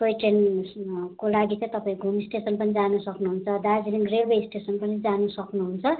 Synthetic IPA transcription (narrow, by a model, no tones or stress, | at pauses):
pojʈen | kolaɡit͡sãĩt̪ʌpaĩɡʱumisʈesʌnpʌnid͡zanusʌknuɦunt͡sʰʌd̪ad͡ziniŋrelbeisʈesʌnpʌnid͡zanusʌknuɦunt͡sʰʌ